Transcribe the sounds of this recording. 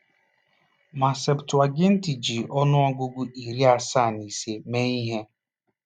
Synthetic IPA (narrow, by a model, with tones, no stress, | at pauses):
ma˨se˨ptwa˨ɡɪ˦n̩˦ti˨d͡ʒi˨ʔɔ˦nʊ˦ɔ˦ɡʊ˦ɡʊ˦ʔi˨ɾi˦a˦sa˦˨ni˨se˨me˦i˦ɦe˦